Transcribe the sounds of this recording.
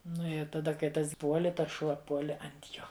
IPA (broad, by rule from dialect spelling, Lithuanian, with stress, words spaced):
ˈnʊ ɪ tɐˈdɐ kɐɪ ˈtɐs ˈpuɔlʲɪ ˈtɐs ˈʃuɔ ˈpuɔlʲɪ ɐnt ˈjoː